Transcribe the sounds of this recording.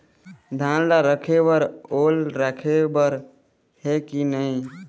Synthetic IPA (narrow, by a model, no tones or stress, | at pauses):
d̪ʱãnlaɾəkʰebəɾolɾakʰebəɾ | hekinəĩ